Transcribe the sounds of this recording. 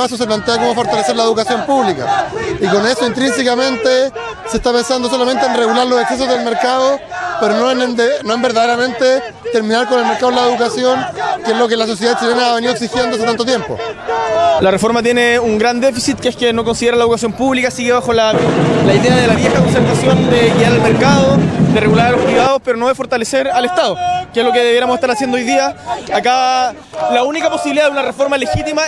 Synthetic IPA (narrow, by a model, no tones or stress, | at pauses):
esos̬ep̬lant̪eako̞mo̞fo̞ɾt̪alese̞ɾlaeðukasjo̞mpuβlika̰iko̞ne̞soint̪ɾins̬ekamẽ̞nt̪e | seht̪apensand̪os̬o̞lament̪eːnreɣulaɾlosekses̬o̞zðe̞lmeɾkaðo | peɾonoennd̪enoembeɾðaðeɾamẽ̞nt̪e | t̪e̞ɾmĩnaɾkonelmeɾkaðlaeðukasjo̞ŋkeezlo̞k̬elas̬os̬jeat͡ʃilenaːβe̞niðoks̬ixje̞nd̪oas̬et̪ant̪ot̪jempo̰ | larefo̞ɾmat̪je̞neuŋɡɾand̪e̞fisit̪̚keeskenoko̞nsiðeɾalaeokasjo̞mpuβlikasiɣeβaxo̞lalaiðeaðelaβje̞xakons̬eɾt̪asjo̞nd̪eɣiaɾalmeɾkaðod̪ereɣulaɾalo̞spɾiβaðospeɾonoðefo̞ɾt̪aleseɾale̞ht̪aðokezlo̞keðeβjeɾamoseht̪aɾasjend̪oojðiaaka | launikapo̞siβiliðaðunarefo̞ɾmalexit̪ima